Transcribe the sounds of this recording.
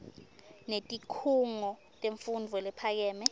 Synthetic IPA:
netʼikʰuŋɔ | tʼeɱfund͡vʱɔlɛpʰak̬ɛːmɛ

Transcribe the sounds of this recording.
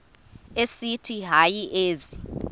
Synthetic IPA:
esitʰiɦajiʔeːzi

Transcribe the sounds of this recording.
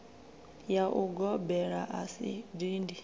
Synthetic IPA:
jaʔuɡɔbɛɺaʔasḭdindi

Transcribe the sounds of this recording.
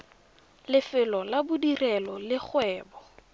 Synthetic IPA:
lɪfɪlɔlabʊdirɛlɔlɪχwɛːbɔ

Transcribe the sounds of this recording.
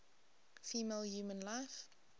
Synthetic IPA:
fiːmeːlˠjuːmə̃nlaɪf

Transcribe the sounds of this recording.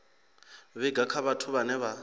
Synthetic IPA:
βɛɡakʰaβatʰʊβanɛβa

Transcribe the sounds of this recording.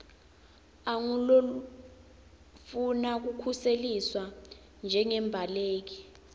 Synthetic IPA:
aŋulolu | funak̬ukʰuseliswa | nd͡ʒʱɛŋɛmbʱaleːk̬i

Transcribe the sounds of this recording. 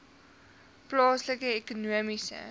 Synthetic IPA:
plɑːsləkəekunuəmisə̰

